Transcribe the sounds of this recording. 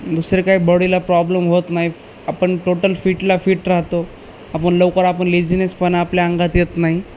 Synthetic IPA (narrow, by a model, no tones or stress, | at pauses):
d̪usɾekaɦiːbɔɽilapɾɔblemɦot̪naɦi | apəɳʈoʈəlfiːʈlafiːʈɾaɦt̪o | apəɳləʋkəɾapəɳlid͡zinespənapljaəŋɡat̪jet̪naɦi